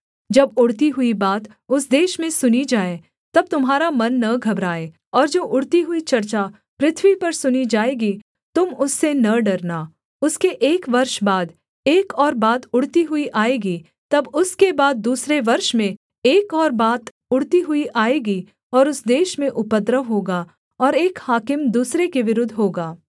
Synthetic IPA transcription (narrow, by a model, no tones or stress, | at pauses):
d͡ʒɐbʊɽt̪iɦʊibaːt̪ | ʊsd̪eːʃmẽsʊnid͡ʒaːe | t̪ɐb̚t̪ʊmɦaːɾamɐnːɐɡʱɐbɾaːeː | ɔːɾd͡ʒoːʔʊɽt̪iɦʊit͡ʃɐɾt͡ʃa | pɾɪt̪ʰwipɐɾsʊnid͡ʒaːeːɡi | t̪ʊmʊsːenɐɖɐɾnaː | ʊskeʔeːkʋɐɾʃbaːd̪ | eːkɔːɾbaːd̪ʊɽ̤t̪iɦʊiʔaːeːɡi | t̪ɐbʊskebaːd̪̚ːuːsɾeʋɐɾʃmẽ | eːkɔːɾbaːt̪ | ʊɽt̪iɦʊiʔaːeːɡi | ɔːɾʊsd̪eːʃmẽʔʊpət̪ɾəʋɦoːɡa | ɔːɾeːkhaːkɪmd̪uːsɾekeʋɪɾʊd̪ʱːɦoːɡaː